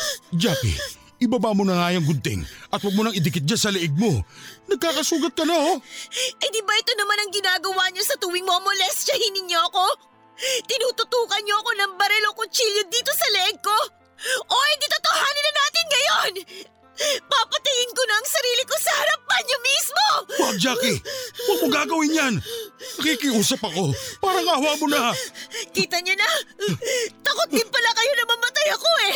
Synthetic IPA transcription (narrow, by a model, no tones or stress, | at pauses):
d͡ʒaːpḭ | ʔɪbabamonɐŋaːjɐŋɡʊnt̪ɛ̰ŋʔɐt̪̚wɐɡ̚monɐŋɪd̪ɪkɪt̪̚ɲasɐlɛʔɪɡ̚mo̞nɐɡ̚kaːkɐsuːɡɐt̪̚kɐnɐoʔɐjd̪ibɐʔɛt̪o̞nɐmanɐŋɡɪnaːɡɐwaɲosɐt̪uwɪŋmoʔɐŋmolɛst͡ʃɐhinɪɲːo̞ʔɐko̞ | t̪ɪnuːt̪ʊt̪uːkɐnɲo̞ʔɐko̞nɐŋbɐɾɛlokʊt͡ʃiljod̪iːt̪o̞sɐlɛʔɛɡ̚ko̞ | ʔod̪ɪt̪ot̪ohaːnɪnɐnaːt̪ɪnŋɐjon | papɐt̪ɪɡɪnkonɐɐŋsɐɾiːlɪko̞sɐhɐɾɐp̚ːɐnɲomismo̞waɡ̚d͡ʒaːkɪwɐɡ̚koɡaːɡɐwɪnjannɐkikɪʔuːsɐpɐko̞paːɾɐŋahwaːmonɐkiːt̪ɐɲonɐ | t̪ɐkot̪̚dɪmpɐlakɐjo̞nɐmɐmɐt̪ajɐko̞ɛ